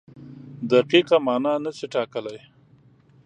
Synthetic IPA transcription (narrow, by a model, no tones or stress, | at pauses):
d̪aqiqamɑːnɑnəsiʈɑkəlaj